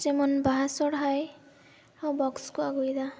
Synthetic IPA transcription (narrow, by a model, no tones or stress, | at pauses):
zemɔnbaɦasɔɽɦaj | awbɔkskuaɡujd̪a